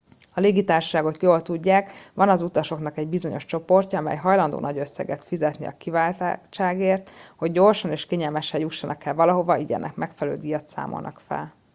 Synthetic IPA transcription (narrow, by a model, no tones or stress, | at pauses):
ɒleːɡit̪aːrʃɒ̥ʃaːɡokjoːlt̪uɟːaːkʋɒnɒzut̪ɒʃo̞knɒkɛɟ̚bizo̞ɲo̞ʃt͡ʃo̞po̞rcɒɒmɛ̰jɦɒjlɒnd̪o̰ːnɒɟø̞sːɛ̰ɡɛt̪fizɛt̪nḭɒ̰kivaːlt̪t͡ʃaːɡeːrt̪ho̞ɟːo̞rʃɒneːʃkeːɲɛlmɛʃɛjuʃːɒnʔɒkːɛlvɒlɒɦo̞vɒiɟɛ̰nʔɛ̰kmɛkfɛlɛløːd̪ijɒt̪sa̰ːmo̰lnʔɒ̰kfɛ̰l